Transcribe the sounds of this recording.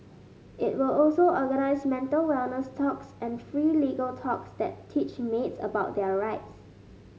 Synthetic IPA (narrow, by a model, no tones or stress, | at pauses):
ʔɪt̚wɪlɔlsoʔɔɡənaɪsmɛ̃ntəlwɛlnəstʰɔksɛ̃nfɹiːliɡəltʰɔksdɛttʰːit͡ʃmetsə̰baʊt̚dɛəɹaɪts